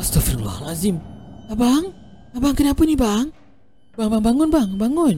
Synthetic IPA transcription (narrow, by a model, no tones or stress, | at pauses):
ast̪ɔfirla̰hlazimabaŋ | abaŋkənapʊnibaŋ | baʔŋbaŋbaŋʊnbaŋbaŋʊn